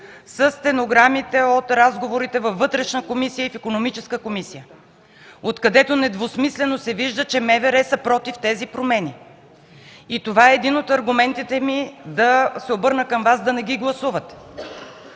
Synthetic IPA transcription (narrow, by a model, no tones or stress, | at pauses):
səst̪ɛnoɡɾamit̪ɛot̪ɾazɡovoɾit̪ɛvɐfːɤt̪ɾɛʃnəkomisijəifikonomit͡ʃɛskəkomisijə | ot̪kɐd̪ɛt̪onɛd̪vosmislɛnosɛviʒd̪ət͡ʃɛmɛvɛɾɛsəpɾɔt̪ift̪ɛzipɾomɛni | it̪ovaɛːd̪inot̪ɐɾɡʊmɛnt̪it̪ɛmid̪ɐsɛobɤɾnəkəmvasd̪ɐnɛɡʲiɡlˠɐsuvət̪ɛ̥